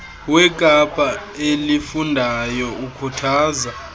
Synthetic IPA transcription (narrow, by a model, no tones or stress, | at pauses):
wɛkʼapʼaelifundʱajɔukʰutʰaːza